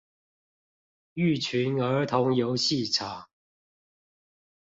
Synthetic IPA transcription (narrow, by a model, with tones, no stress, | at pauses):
y˥˨˩t͡ɕʰy˨˦nə˨˧˥t̪ʰʊ˨˦ŋjo˨˦ʊɕi˥˨ʈ͡ʂʰa˨˦